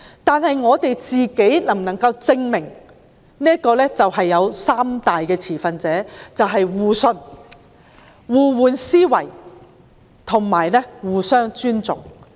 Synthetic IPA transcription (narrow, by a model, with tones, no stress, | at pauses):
t̪aː˨nhɐ˨jŋɔː˨˧t̪e˨jt͡siː˨ke˨˥jnɐ˨˩ŋnɐ˨˩ŋkɐ˧wt͡sɪ˧ŋmɪ˨˩ŋ | niː˥əkɔː˧lɛː˥t͡sɐ˨whɐ˨jːɐ˨˧wsaː˥mt̪aː˨jkɛː˧t͡sʰiː˨˩fɐ˨nt͡sɛː˨˥t͡sɐ˨wɦɐ˨jwuː˨˩sɵ˧n | wuː˨wuː˨˧nsiː˥wɐ˨˩j | t̪ʰʊ˨˩ŋmaː˨˩jlɛ˥wuː˨˩sœː˥ŋt͡ʃyː˥nt͡sʊ˨ŋ